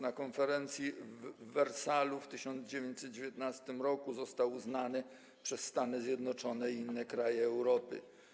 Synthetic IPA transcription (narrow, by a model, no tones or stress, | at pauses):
nakɔnfɛɾɛnt̪sʲjiː | ɛɾsaluft̪ɘɕɔnd̪zd͡ʑevʲjẽɲt͡ɕʲsɛt̪d͡ʑevʲjɛt̪nast̪ɘmɾɔkuzɔst̪awuznanɘ | pʂɛsːt̪anɘzʲjɛd̪nɔt͡ʂɔnɛiinːɛkɾajɛːwɾɔpɘ̰